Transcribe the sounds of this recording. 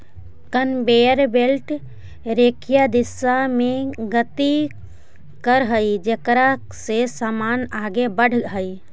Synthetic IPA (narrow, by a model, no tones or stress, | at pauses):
kənbeːəɾbelʈ | ɾekʰjad̪ɪsamẽɡət̪i | kəɾɦəid͡ʒekɾa | sesaːmaːnaːɡebəɽ̤ɦəi